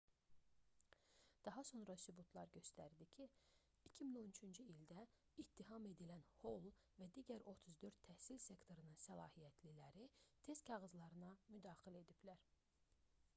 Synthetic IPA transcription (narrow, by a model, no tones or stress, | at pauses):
d̪̥ɑɦɑso̞nɾɑsybut̪ʰlˠɑɾɟø̞st̪æɾd̪icʰi | icʰimino̞nyt͡ʃʰynd͡ʒyild̪æ | it̪ʰːiɦɑme̞d̪ilænho̞lˠvæd̪iɟæɾo̞t̪ʰɯzd̪øɾt̪ʰːæhsilse̞kt̪ʰo̞ɾɯnɯnsælˠɑːhijæt̪ʰlilæɾit̪ʰe̞st̪kʰɑɣɯzlˠɑɾɯnɑmyd̪ɑːxilæe̞d̪iblæɾ